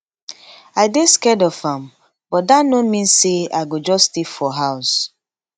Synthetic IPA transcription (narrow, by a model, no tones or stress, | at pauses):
aɪdeskɛdɔfãm | bɔt̚danomĩnsea̰ɪɡod͡ʒɔstefɔɦaʊs